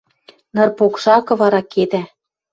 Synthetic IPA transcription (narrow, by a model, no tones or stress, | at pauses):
nɤ̆rpokʃɑkɤ̆βɑɾɑked̪æ